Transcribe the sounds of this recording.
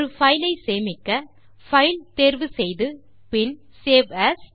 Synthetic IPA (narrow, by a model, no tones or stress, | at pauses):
ɾɯfɐɪlɐɪseːmɪkːɐ | fɐɪlt̪eːɾʋɯsɛjðɯ | pɪn | seːʋɐs